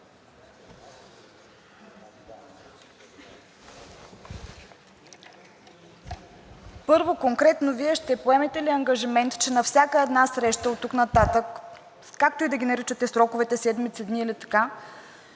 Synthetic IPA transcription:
pɤɾvokoŋkɾɛt̪noviɛʃt̪ɛpoɛmɛt̪ɛliɐŋɡɐʒimɛnt̪t͡ʃɛnɐfsʲakəɛd̪nasɾɛʃt̪əot̪ːuknɐt̪at̪ək | kak̚t̪oid̪ɐɡʲinɐɾit͡ʃət̪ɛsɾɔkʊvɛt̪ɛsɛd̪mit̪sɛd̪niːlit̪ɐ̥ka

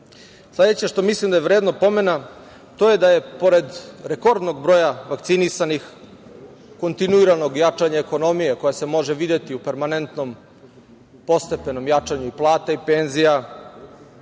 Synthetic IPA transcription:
sle̞d̪et͡ɕeʃt̪o̞mislˠimd̪ajeʋɾeːd̪nopo̞me̞na | t̪oje̞d̪aje̞po̞ɾe̞d̪ɾeko̞ɾd̪noɡ̚bɾo̞jaʋakt̪sinisanix | ko̞nt̪inuiɾano̞ɡjat͡ʂaɲaeko̞no̞mijeko̞jase̞mo̞ʒeʋid̪jet̪iupe̞ɾmane̞nt̪no̞m | po̞st̪e̞pe̞no̞mjat͡ʂaɲuiplˠaːt̪aipenzija

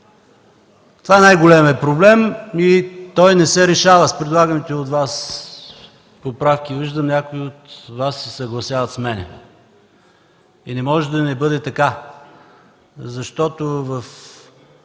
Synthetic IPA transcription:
t̪ovaɛnajɡolɛmɛpɾoblɛmit̪ɔjnɛsɛɾɛʃavəspɾɛd̪lˠaɡənit̪ɛot̪vas | popɾafkiviʒd̪əmnʲakʊiot̪vasːɛsɐɡlˠɐsʲjavɐt̪smɛnɛ̰ | inɛmɔʒɛd̪ɐnɛbɤd̪ɛt̪ɐka | zɐʃt̪ɔt̪ovəf

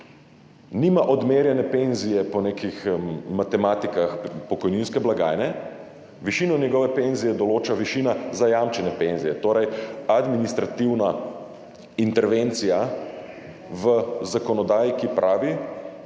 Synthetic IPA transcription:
nimaʔɔd̪meːɾjɛnɛpenzijɛpɔnekixmat̪ɛmaːt̪ikaxpɔkɔjninskɛblaɡa̰ːjnɛ | ʋiʃiːnɔnjɛɡɔːʋɛpenzijɛd̪ɔloːt͡ʃaʋiʃinazajamt͡ʃɛnɛpenzijɛt̪oːɾɛjad̪minist̪ɾat̪iwna | int̪ɛɾʋent̪sija | ʋəzakɔnɔd̪aːjikipɾʔaːʋi

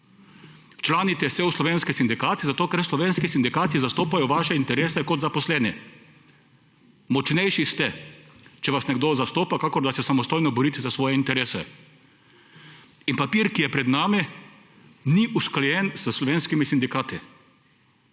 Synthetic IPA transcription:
t͡ʃlaːnit̪ɛsɛuslɔʋeːnskisind̪ikaːt̪izat̪oːkɛɾslɔʋeːnskisind̪ikaːt̪izast̪oːpajɔʋaːʃɛint̪ɛɾeːsɛkɔt̪zapɔslɛːnɛ | mɔt͡ʃnɛjʃist̪ɛt͡ʃɛʋasnɛɡd̪ozast̪oːpakakɔɾd̪asɛsamɔst̪oːjnɔbɔɾiːt̪ɛzasʋɔːjɛint̪ɛɾeːsɛ̰ | inpapiɾkijɛpɾɛd̪naːmi | niʔusklɔjɛnsəslɔʋeːnskimisind̪ikaːt̪i

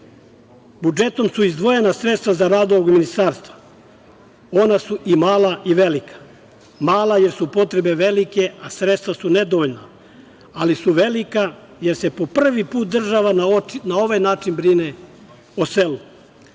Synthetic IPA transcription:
bud͡ʒe̞t̪o̞msuizd̪ʋo̞je̞nasɾe̞t̪st̪ʋazaɾaːd̪oʋoɡminist̪aːɾst̪ʋa | o̞nasuʔimaːlˠaʔiʋe̞likḁ | maːlˠaje̞ɾsupo̞t̪ɾe̞be̞ʋelike̞asɾet̪st̪ʋasune̞d̪oʋoʎna | alisuʋe̞lika | je̞ɾsepo̞pr̩ʋipuːt̪̚d̪r̩ʒaʋanao̞ʋajnaːt͡ʃinbɾine | oselu

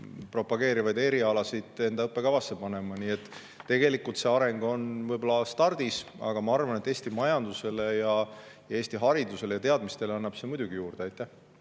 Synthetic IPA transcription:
pro̞pːɑɡ̥e̞ːɾivɑjd̪e̞ɾiɑlɑsid̪̥e̞nd̪̥ɑɤpːˑe̞ɡ̥ɑvɑsːepɑne̞mɑniːe̞t̪ː | e̞ɡe̞likːˑult̪se̞ɑɾeŋɡ̥o̞nvɤjbo̞lɑst̪ɑrd̪isɑ̰ɡ̥ɑmɑɑrvɑne̞t̪ːˑeːst̪imɑjɑnd̪use̞le̞jɑjɑeːst̪iɦɑɾid̪use̞lejɑt̪eɑd̪mist̪e̞leɑnːɑb̥se̞mud̪̥ʲuɡ̥ijuːrd̪eɑjt̪ːˑæh

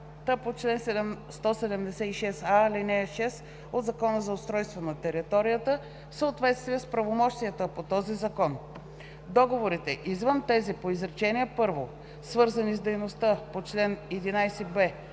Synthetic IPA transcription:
t̪əpot͡ʃlɛnsɛɛst̪ɔsɛd̪ɛmd̪ɛsɛiʃɛsalinɛʃɛs | od̪zɐkɔnəzɐʊst̪ɾɔjst̪vonɐt̪ɛɾit̪ɔɾijət̪ə | səot̪vɛt̪st̪viəspɾɐvomɔʃt̪iɛt̪oɛpot̪ɔzizɐkɔn | d̪ɔɡovoɾit̪ɛʔizvənt̪ɛzipoizɾɛt͡ʃɛniɛpɤɾvo | svɤɾzənizd̪ɛjnost̪apot͡ʃlɛnɛd̪inajsɛbɛ

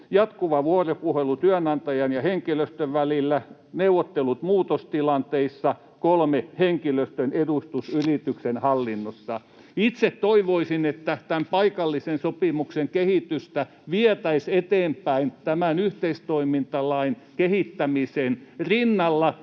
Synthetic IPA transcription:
jɑt̪kuʋɑʋuoropuhelut̪yæœnɑnt̪ɑjɑnjɑheŋkiløst̪øʋʋælilːæneuʋˑot̪ːelut̪muːt̪ost̪ilɑnt̪eisːɑ | kolmeheŋkiløst̪ønedust̪usyrit̪yksenhɑlːinːosːɑ | it̪set̪toiʋoisinet̪ːæt̪æmpɑikɑlːisensopimukseŋkehit̪yst̪æ | ʋiɛt̪æiset̪eːmpæint̪æmænyht̪eist̪oimint̪ɑlɑinkehit̪ːæmisenrinːɑlːɑ

